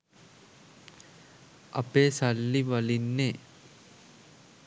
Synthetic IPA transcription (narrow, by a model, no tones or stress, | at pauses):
ʔɐpeːsalːiʋɐlinːeː